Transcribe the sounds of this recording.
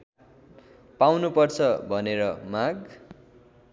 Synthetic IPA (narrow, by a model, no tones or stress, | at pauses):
pawnupʌrt͡sʰʌbʱʌneɾʌmaɡ